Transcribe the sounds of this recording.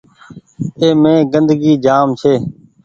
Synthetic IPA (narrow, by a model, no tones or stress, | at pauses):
eːmẽːɡənd̪ɡiːd͡ʒaːmt͡ʃʰeː